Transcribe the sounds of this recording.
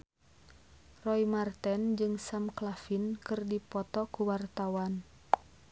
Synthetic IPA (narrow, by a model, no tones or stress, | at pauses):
rɔimart̪ɛnd͡ʒɨŋsamklafinkɨrdipɔt̪ɔkuwart̪awan